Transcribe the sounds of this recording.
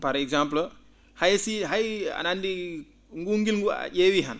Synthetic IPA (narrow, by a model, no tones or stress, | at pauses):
pɐɾeɡsampl | hajsiɦaja̰nandi | ŋɡuŋɡilŋɡṵjewiɦɐn